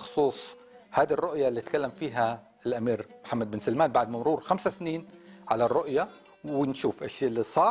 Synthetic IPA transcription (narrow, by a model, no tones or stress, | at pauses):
xʊ̥sˤuːsˤ | haːd̪irˤːʊʔjalːiːt̪kalːamfiːɦa | ɪlʔamiːɾmħamːad̪̚bɪnsalmaːnbaʕd̪mamɾuːɾxamsasniːnʕalarːʊʔja | wɪnʃuːfʔaʃilːisˤɑː